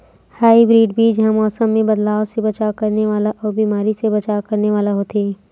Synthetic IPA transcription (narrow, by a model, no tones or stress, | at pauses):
haːibɾiːɖbiːd͡ʒɦɐmɔːsəmːẽbɐd̪laːosebɐt͡ʃakɐɾneʋaːlaʔɔːɾbiːmaːɾisebɐt͡ʃakɐɾneʋaːlaɦoːt̪eː